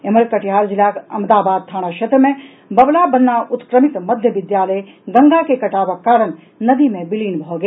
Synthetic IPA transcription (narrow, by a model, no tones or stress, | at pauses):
eməɾkɐʈɦaːɾd͡ʒɪlaːkɐ̰md̪aːbaːd̪̚t̪ʰaːɽ̃aʃeːt̪ɾəmẽ | bɐblabɐnːaʔʊt̪kɾəmɪt̪mɐd̪ʱjəʋɪd̪jaːləj | ɡɐ̃ŋɡakekɐʈaːʋəkːaːɾəɳ | nɐd̪imẽbɪliːnbʱoɡe